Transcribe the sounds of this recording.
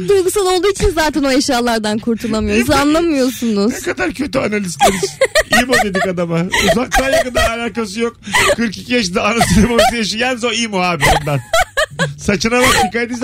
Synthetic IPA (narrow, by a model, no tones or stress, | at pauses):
d̪ujɡusad̪ˠo̞lˠd̪uːit͡ʃʰinzaːt̪ʰɛno̞eʃjaːlˠaɾd̪ankʰuɾt̪ʰulˠamɯjosanlˠamɯjo̞sunuzekad̪aɾcʰø̞t̪yanalʲist̪ʰenizimod̪e̞d̪ikad̪amauzak̚d̪aːjakɯnd̪aalʲaːkasɯjokkʰɯɾciciɛʃd̪aanasilemamisɯjaʃijanzoimoɦaːbiand̪an | sat͡ʃɯnavat̪ʰikad̪iz